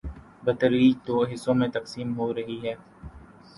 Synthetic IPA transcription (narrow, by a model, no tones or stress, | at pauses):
bɐt̪əɾiːd͡ʒt̪oːɦɪsːõmẽt̪ɐqsiːmɦoɾɐɦiɦɛː